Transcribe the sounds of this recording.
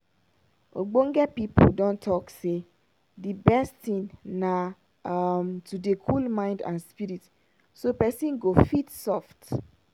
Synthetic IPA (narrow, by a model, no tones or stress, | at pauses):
o̰ɡ͡boŋ̩ɡɛpipʰodɔ̃ntʰɔkse | dibɛstĩnnã | mtʰudekʰulmãɪ̃ndã̰nspiɾit | sopɛsĩnɡofitsɔft